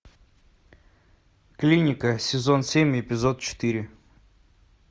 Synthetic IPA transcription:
klʲinʲɪkəsʲɪzo̞nsʲemʲɪpʲɪzot̪̚t͡ɕɪ̥t̪ɨɾʲɪ

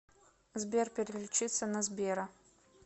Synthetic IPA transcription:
zbʲerpʲɪɾʲɪlʲɪt͡ɕit̪sənɐzbʲeɾɐ

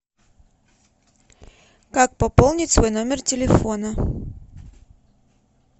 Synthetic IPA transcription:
kak̚pɐpolˠnʲɪtʲsvojnomʲɪrtʲɪlʲɪfonɐ

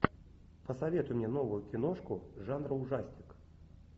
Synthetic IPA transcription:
pɐsavʲet̪ʊjmʲnʲɛnɔvʊjʊkʲɪnɔʂkʊʐanɾɐʊʐasʲnʲɪk

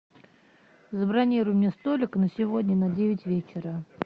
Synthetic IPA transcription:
zəbɾanʲiɾʊjʊmnʲest̪olʲɪknəsʲɪvodʲnʲənɐdʲevʲɪtʲvʲet͡ɕɪɾə

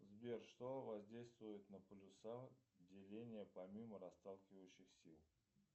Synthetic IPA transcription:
zbʲerʂt̪ovɐzʲdʲejst̪vʊjɪt̪nəplʲʊsadʲɪlʲenʲɪjəpɐmʲiməɾɐst̪alˠkʲɪvəjɕːɪxsʲilˠ

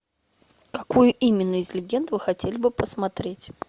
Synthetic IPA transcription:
kɐkujʊʔimʲɪnːəɪzʲlʲɪɡʲend̪vɨxɐtʲelʲɪbɨpəsmɐt̪ɾʲetʲ

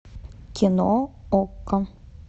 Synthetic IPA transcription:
kʲinookːə

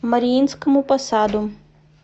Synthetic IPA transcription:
mɐɾʲijinʲskɐmupɐsaːd̪u

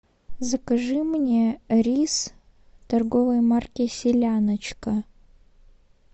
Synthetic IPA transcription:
zəkɐʐɨmnʲeɾʲis | t̪ɐrɡovəjmarkʲɪsʲɪlʲanət͡ɕkə

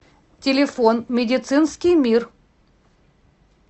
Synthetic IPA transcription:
tʲɪlʲɪfonmʲɪdʲɪt̪sɨnskʲɪjmʲir

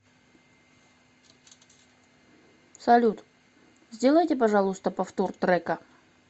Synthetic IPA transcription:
sɐlʲut̪ | zʲdʲelˠəjtʲɪpɐʐalˠʊst̪əpɐft̪ort̪ɾɛkə

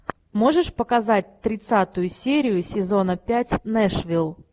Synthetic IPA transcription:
mo̞ʐɨʂpəkazat̚ʲt̪ɾʲɪt̪sat̪ʊjʊsʲeɾʲɪjʊsʲɪzo̞nəpʲætʲnɛʂvʲilˠ

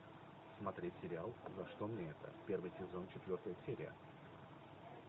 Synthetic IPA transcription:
smɐt̪ɾʲetʲsʲɪɾʲɪalˠzɐʂt̪o̞mnʲeɛt̪ə̰pʲe̞rvɨjsʲɪzo̞nt͡ɕɪt̪vʲo̞rt̪əjəsʲeɾʲɪ̰jə̰

